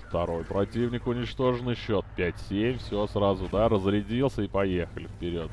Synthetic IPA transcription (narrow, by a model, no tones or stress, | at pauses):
ft̪ɐɾo̞jpɾɐtʲivnʲɪkʊnʲɪt͡ɕt̪o̞ʐɨnɨjɕːo̞t̪̚pʲætʲsʲemʲfsʲosɾazʊd̪aɾəzɾʲɪdʲilˠsʲəipɐje̞xəlʲɪfpʲɪɾʲot̪